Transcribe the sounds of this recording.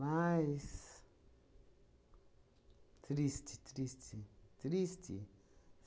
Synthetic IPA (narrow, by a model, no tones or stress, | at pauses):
ais | t̪ʰɾistʰit̪ɾistʰit̪ɾistʰḭ | s